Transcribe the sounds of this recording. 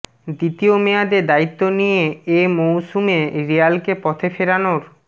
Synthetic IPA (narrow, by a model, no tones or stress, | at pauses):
d̪it̪iomead̪eɾd̪ait̪ːonijeemowsumeɾialkepɔt̪ʰefeɾanoɾ